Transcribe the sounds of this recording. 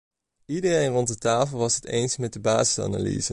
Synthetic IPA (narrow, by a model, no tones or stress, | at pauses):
idərejnrɔnt̚ətaːfəlˠʋɑsɦətḛjnsmɛt̚dəbaːzəsa̰na̰lḭzə